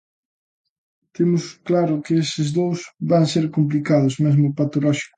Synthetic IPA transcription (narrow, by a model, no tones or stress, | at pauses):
t̪emʊsklaɾʊkɪesɪzðowsβaŋseɾkomp̬likaðʊzmezmʊpat̪olɔʃi̥kʊ